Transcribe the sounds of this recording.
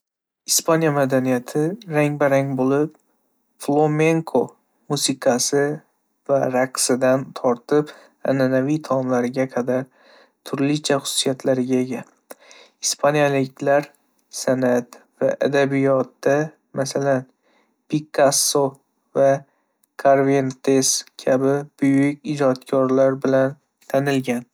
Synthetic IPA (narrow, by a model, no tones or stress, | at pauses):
ispʰanjamad̪anijat̪ʰɪɾaŋbaɾaŋbolɪp | flˠome̞ŋkʰo | musɪqʰɑsɪ | vaɾaksɪd̪ant̪ʰɒɾt̪ʰɪp | a̰nanavijt̪ʰɒmlaɾɪɡʲaqʰɑd̪aɾ | t̪ʰʊɾlɪt͡ʃʰaχʊ̥sʊ̥sijat̪ʰlaɾɪɡʲae̞ɡʲa | ispʰanjalɪkʲlaɾ | sanat̪ | va̰ʔad̪abijɒt̪d̪a | masalan | pʰikːasːo | va | kʰaɾvent̪e̞skʲʰabɪb̥ʊjʊkʲɪd͡ʒɒt̪kʲʰɒɾlaɾbɪlan | t̪ʰanɪlɡʲan